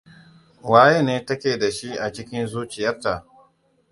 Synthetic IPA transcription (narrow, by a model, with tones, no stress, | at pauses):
waː˦je˦neː˦tɐ˦kʲeː˨da˨ʃi˦ʔa˨t͡ʃɪ˦kʲɪ˦nzuː˦t͡ʃɪ˨jɐ˦rta˨ʔ